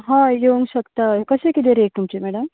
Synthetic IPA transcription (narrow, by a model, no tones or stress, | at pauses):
ɦãjouŋɡɕɐkt̪akəsekit̪eɾek̚t̪umt͡ɕemæɽəm